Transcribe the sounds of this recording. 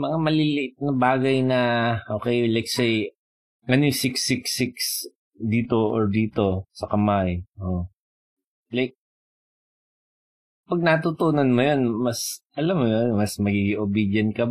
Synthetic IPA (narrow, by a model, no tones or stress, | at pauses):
mɐŋamɐlɪlɪʔɪt̪̚nɐbaːɡɐjnɐʔoːkɛjlajksej | ŋɐnojsɪksɪksɪks | d̪iːt̪oʔoɹd̪iːt̪o̞sɐkɐmajʔo | lajk̚ | pɐɡ̚nɐt̪ut̪uːnɐnmɐjonmɐsʔɐlamːjonmɐsmɐɡiːɡɪŋʔobid̪jɐnkɐ